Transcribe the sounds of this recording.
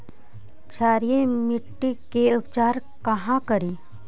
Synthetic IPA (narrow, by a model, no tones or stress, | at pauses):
t͡ʃʰaːɾijemɪʈːikeʊpt͡ʃaːɾkɐɦãkɐɾiː